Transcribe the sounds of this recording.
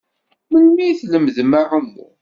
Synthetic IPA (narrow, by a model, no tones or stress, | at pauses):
məlmijθləmðmaʁəmːṵ